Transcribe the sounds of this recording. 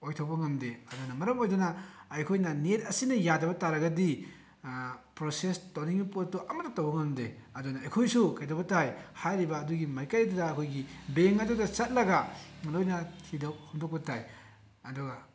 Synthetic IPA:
ojtʰawbɐŋɐmdeɐdunɐmɐɾɐmojdɐnɐːjkʰojnɐnetʰɐsinɐjadɐbɐtaɾɐɡɐdi | pɾosestowniŋipotːuʔɐmɐtːɐtɐwbɐŋɐmdḛɐdunɐɐjkʰojsukajdɐbɐtajhajɾibɐːduɡimajkajdudɐːkʰojɡibeŋɐdodɐt͡ʃɐt̚lɐɡalojnɐtʰidɐwhuŋdok̚pɐtaj | ɐduɡɐ

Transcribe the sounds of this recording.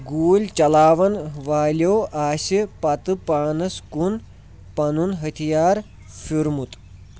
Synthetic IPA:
ɡuːlʲt͡ʃɐlaːʋɐnʋaːlʲoːʔaːsipɐt̪ɨpaːnɐskun | pɐnunɦɐt̪ʰijaːɾ | fiɾmut̪

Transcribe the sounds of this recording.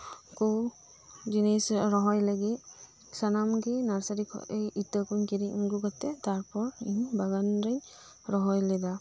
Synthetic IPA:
kuw | d͡ʒinesɾɔɦɔjlaɡit | sanamɡinaɹsaɾikʰɔ̰ʔejitəkunkiɾiŋɡuɡatɛtaɹpɔɹiɲbaɡanɾaɲ | ɹɔɦɔjlɛda

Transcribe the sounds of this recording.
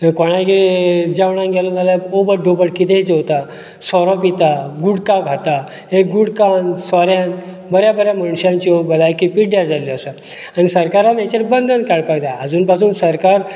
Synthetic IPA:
kɔɽ̃aɡed͡ʑaʋɳ̃ãŋɡʱɛlunalaobəɽɖobəɽkit̪ʰet͡seot̪a | sɔɾɔpit̪aɡuɽkaɡʱat̪a | ɦeɡuɽkansɔɾjãn | bəɾjabəɾjaməɽ̃ɕjãɲt͡ɕiobəlajkipiʈɖjad͡zaliəsə | anisəɾkaɾanet͡ɕəɾbənd̪ʱənkaɽpajd̪aəd͡zuːnpasuːnsəɾkaɾ

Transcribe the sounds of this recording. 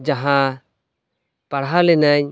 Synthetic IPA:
d͡ʒaɦã | paɽɦalɛnaɲ

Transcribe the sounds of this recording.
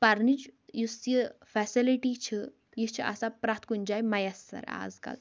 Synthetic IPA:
pɐɾnit͡ʃjusjifɛsiliʈit͡ʃʰi | jit͡ʃʰiʔɐ̰sapɾat̪ʰkunʲd͡ʒaːjmɐjɐsːɐ̰ɾa̰ːzkɐ̰l

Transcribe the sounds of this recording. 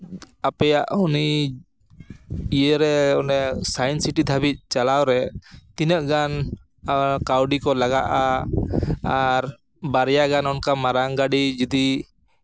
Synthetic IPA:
apɛjaʔhuni | ijəɾɛɔnɛsajɛnsiʈid̪ʱabit̪̚ˀt͡ʃalawɾɛt̪inəʔɡan | kawɖikɔlaɡaʔa | aɾ | baɾjaɡanɔnkamaɾaŋɡaɖid͡ʒud̪i

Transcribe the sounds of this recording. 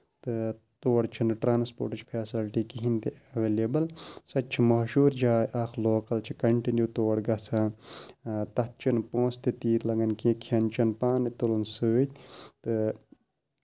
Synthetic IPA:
t̪ɨ | t̪oːɽt͡ʃʰɐnɨʈɾaːnspo̰ːʈɨt͡ʃpʰeːsilʈikiɦĩnt̪eɐʋeːleːbɐlsɐtt͡ʃʰimɐɦʃuːɾd͡ʒaːjʔaːxloːkɐlt͡ʃʰikɐɳʈinjuːt̪oːɽɡɐsʰãː | t̪ɐt̪̚t͡ʃɐnpõːst̪et̪iːt̪lɐɡɐnkĩːkʰɐnt͡ʃɐnpaːnit̪ulunsɨːt̪ʲt̪ɨ

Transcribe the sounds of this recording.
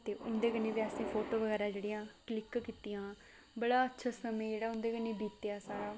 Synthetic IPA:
t̪eːʔʊnd̪eːkənːẽːbaːsẽːpʰoːʈoːʋəɡɛːɾaːd͡ʒeːɽijãːklɪkkiːt̪ijãː | bəɽaːətːʃʰaːsəmẽːd͡ʒeːɽaːʊ̃nd̪eːkənːeːbiːt̪ejaːsaːɾaː

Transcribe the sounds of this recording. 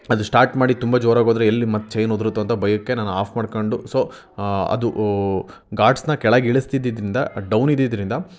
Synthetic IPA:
ɐd̪usʈaːɾʈmaːɽit̪umbɐd͡ʒoːɾaːɡoːd̪ɾeelːimɐt̪ːt͡ʃɐjnɦod̪ɾut̪ːuɐnt̪ɐbɐjɐkːe̞naːnuaːpʰmaːɖkoɳɖuso̞ː | ɐ̰d̪u | ɡaːɖsnɐkɛɭaːɡiɭist̪id̪id̪ɾind̪ɐɖɐwnid̪id̪ɾind̪ɐ

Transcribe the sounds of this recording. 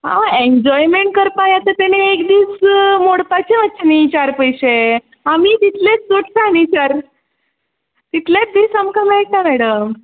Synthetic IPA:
a̰eɲd͡ʑɔjmeɳʈ̚kəɾpajat̪ət̪añeːkd̪iːsmoɽpat͡ɕemət̪ːt͡ɕənit͡ɕaɾpəjɕe | amiːt̪it̪let͡ssoʈsanĩt͡ɕaɾ | t̪it̪ljat͡sd̪iːsəmkəmak̪amɛɽəm

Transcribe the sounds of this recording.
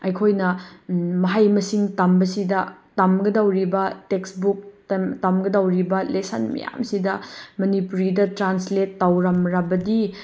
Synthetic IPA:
ɐjkʰojnɐmɐɦajmɐsiŋtɐmbɐsidɐtɐmɡɐdawɾibɐteksbuk̚tɐmɡɐdawɾibɐlesɐ̰nmɐ̰ja̰msidɐmɐnipuɾidɐtɾansletːawɾɐmɾɐbɐdi

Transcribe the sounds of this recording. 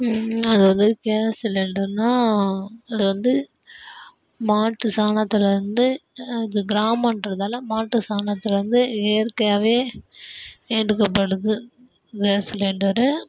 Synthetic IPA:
ɐðɯʋɐnd̪ɯkeːsɪlɛɳɖɐɾɯnaː | ɐðɯʋɐnd̪ɯ | maːʈːɯsaːnɐt̪ːɪlɐɾɯnd̪ɯɪðɯɡɪɾaːmɐnɖɾɐðaːlɐmaːʈːɯsaːnɐt̪ːɪlɐɾɯnd̪ɯeːɾkɐjaːʋeː | eːɖɯkːɐpːɐɽɯðɯ | keːsɪleɳɖɐɾɯ

